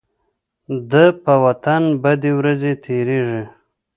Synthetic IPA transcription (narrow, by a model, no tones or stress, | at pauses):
d̪əpəwat̪anbad̪ewɾazet̪ʰeɾeʐi